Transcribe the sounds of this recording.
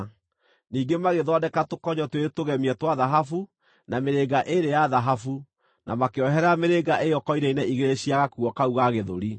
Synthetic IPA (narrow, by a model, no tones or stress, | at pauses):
niːɡemaɣeðɔdɛkatokɔɲɔtweɾetoɣɛmiɛtwaðaɦafu | nameɾeɡaʔeɾejaðaɦafu | nʔa̰makeɔɦɛɾameɾeɡaʔejɔkɔiɾɛinɛiɣeɾeɕiaɣakuɔkauɣaɣeðo̰ɾi